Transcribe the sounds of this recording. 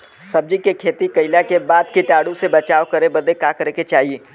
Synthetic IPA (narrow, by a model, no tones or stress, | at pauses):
sɐb̚d͡ʒikekʰeːt̪ikɐɪlakebaːd̪kiʈaːɽũsebɐt͡ʃaːokɐɾebɐd̪ekakɐɾeket͡ʃaːɦieː